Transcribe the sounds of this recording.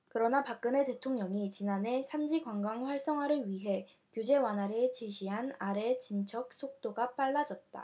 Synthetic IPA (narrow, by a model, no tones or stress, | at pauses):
kɯɾʌnapak͈̚ɯne̞te̞tʰoŋɲʌŋit͡ɕinane̞sʰand͡ʑiɡwaŋɡaŋɸwaɭs͈ʌŋɦwaɾɯɭɥiɦe̞ | kjud͡ʑe̞wanɦaɾet͡ɕiɕʰiɦanaɾe̞t͡ɕint͡ɕʰʌk̚s͈ʰok̚t͈oɡap͈aɭːad͡ʑʌt̚t͈a̰